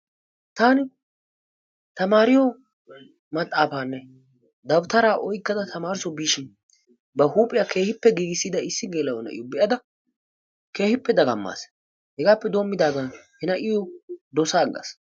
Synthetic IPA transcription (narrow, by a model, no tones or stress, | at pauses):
t̪aːnɪ | t̪ɐmaːɾɪjɔ | mɐt̪ʼːaːfaːnːɛ | d̪ɐbt̪ɐɾaːʔɔjkːɐd̪ɐt̪ʰɐmaːɾɪsɔbiːʃɪn | bɐhuːpʼːɪjake̞ːhɪpːɛɡiːɡɪsːid̪ɐɪsːɪɡeːlːɐwɔnɐ̰ʔɪ̰jɔbɛʔɐd̪ɐ | ke̞ːhɪpːɛd̪ɐɡɐmːa̰ːs | hɛɡaːpːɛd̪oːmːɪd̪aːɡɐnhɪnɐʔɪjɔd̪ɔsaːɡːɐ̰s